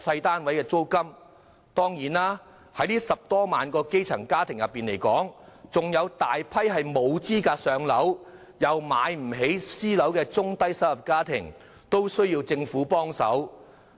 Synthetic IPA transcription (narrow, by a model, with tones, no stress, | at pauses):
sɐ˧jt̪aː˥nwɐ˨˥jkɛː˧t͡so˥wkɐ˥m | t̪ɔː˥ŋjiː˨˩naː˥ | hɐ˨˥jliː˥sɐ˨p̚t̪ɔː˥maː˨nkɔː˧ke˥jt͡sʰɐ̰˨˩ŋkaː˥t̪ʰɪ˨˩ŋjɐ˨pːiː˨˩nle˨˩jkɔ̰ː˨˥ŋt͡sʊ˨ŋjɐ˨˧wt̪aː˨jpʰɐ˥jɦɐ˨jmo˨˧wt͡siː˥kaː˧sœː˨˧ŋlɐ˨˥w | jɐ˨wmaː˨˧jm̩˨˩ɦe˨˥jsiː˥lɐ˨˥wkɛː˧t͡sʊ˥ŋt̪ɐ˥jsɐ˥wlɐ˨˩p̚kaː˥t̪ʰɪ˨˩ŋ | t̪o˥wsɵ˥ɥjiː˧wt͡sɪ˧ŋfuː˨˥pɔː˥ŋsɐ̰˨˥w